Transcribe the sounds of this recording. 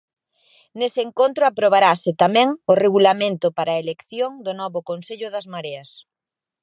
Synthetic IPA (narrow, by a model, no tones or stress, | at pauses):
nesɪeŋkont̪ɾʊapɾoβ̞aɾasɪt̪amɛ̃ŋʊreɣulamẽnt̪ʊpaɾaelekθjoŋd̪ʊnɔβʊkonseʎʊðɐzmaɾeɐs